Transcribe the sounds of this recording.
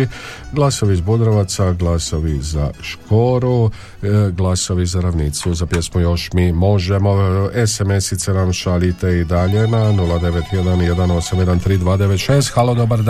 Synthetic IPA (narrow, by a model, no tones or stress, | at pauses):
ɡlˠaso̞ʋiizbud̪ɾaʋat̪saɡlˠaso̞ʋiza̰ʃko̞ːɾu | ɡlˠaso̞ʋizaɾaʋniːt̪suzapjesmujo̞ʃmiːmo̞ʒe̞mo̞eseme̞sit̪senamʃalit̪e̞id̪aʎe̞nanulˠad̪e̞ʋet̪jed̪anje̞d̪ano̞samjed̪ant̪ɾiːd̪ʋaːd̪e̞ʋet̪ʃeːst̪xalˠod̪obaɾd̪